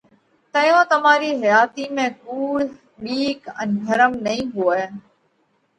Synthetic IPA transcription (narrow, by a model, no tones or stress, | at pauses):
t̪ɐjõt̪ɐm̤aːɾiɦɐjaːt̪imẽkuːɽ | ɓiːkɛ̃nɡʱɐɾəmnɐĩɦuə